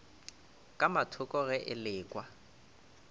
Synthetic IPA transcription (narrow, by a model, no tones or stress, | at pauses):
kʼamatʰʊkʼɔɣɛʔɪlɪːkʼwa